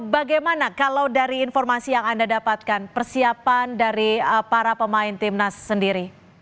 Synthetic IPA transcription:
baɡajmanakalawdaɾiːnfɔrmasijaŋandadapat̪̚kanpərsiapandaɾipaɾapəmaɪnt̪ɪmnasːəndiɾi

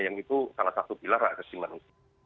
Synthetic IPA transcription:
jaŋit̪usalasat̪ub̥ilarakəsimanus

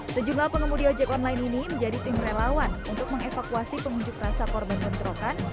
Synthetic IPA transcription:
səd͡ʒumlapəŋəmudiɔd͡ʒɛkɔnlaɪniniməɲd͡ʒadit̪ɪmrelawanunt̪ʊk̚məŋefakuasipəŋuɲd͡ʒʊkrasakɔrbankənt̪ɾokan

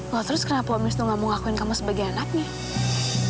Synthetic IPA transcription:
lɔt̪əɾʊskərnapomɪsnuŋamʊŋakuɪnkamusəbaɡajanak̚ɲa

